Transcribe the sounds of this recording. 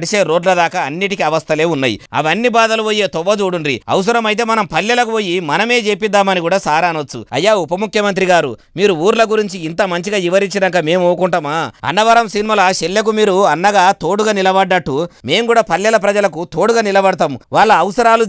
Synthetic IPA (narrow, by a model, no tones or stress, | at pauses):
ɽiʃeːɾo̞ːɖlɐd̪aːkɐɐnːiʈikiɐʋɐst̪ʰɐleːunːɐːjḭɐ̰ʋɐnːibaːd̪ɐluʋoːjeːt̪ɔʋːɐd͡ʒuːɽunɾiɐ̰ws̬ɐɾɐmɐjt̪̬e̞ːmɐnɐmpɐljɐlɐk̬uʋoːjːimɐnɐme̞ːd͡ʒeːpid̪ːaːmɐniɡuːɽaːsaːɾaːnot͡ʃt͡sːṵɐ̰jːaːupɐmukʰjɐmɐnt̪̬ɾiɡaːɾṵ | miːɾuuːɾlɐɡuɾiɲt͡ʃiːnt̪ɐmɐɲt͡ʃiɡaːiʋɐɾit͡ʃːiɖɐŋkɐme̞ːmuːkuɳʈɐmaːɐ̰nːɐʋɐɾɐmsinimɐlɐʃelːɐk̬umiːɾuɐnːɐɡaːt̪o̞ːɽuɡaːnilɐbɐɖːɐʈːume̞ːmkuːɽaːpɐljɐlɐp̬ɾɐd͡ʒɐlɐkut̪o̞ːɽuɡaːnilɐbɐɽɐt̪amʋaːɭːɐːʋsɐɾaːlu